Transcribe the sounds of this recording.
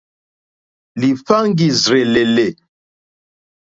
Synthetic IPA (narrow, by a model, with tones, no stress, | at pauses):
li˨fa˦ŋɡi˨zɾe˨le˨le˨